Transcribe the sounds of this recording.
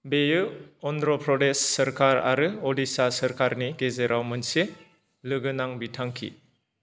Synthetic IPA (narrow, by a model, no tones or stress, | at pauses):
bejɯɔndɾɔpʰɾɔdesːəɾkaɾa̰ɾɯodisasəɾkaɾniɡezeɾʔawmɯnse | lɯɡɯnaŋbitʰaŋkʰḭ